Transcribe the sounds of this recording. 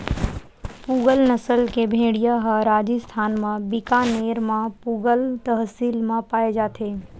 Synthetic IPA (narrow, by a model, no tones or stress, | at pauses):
puːɡəlnəsəlkebʱẽːɽijaɦəɾaːd͡ʒist̪ʰaːnmãbɪkaneːɾmãpuːɡəlt̪əɦsiːlmãpaːed͡ʒaːt̪ʰeː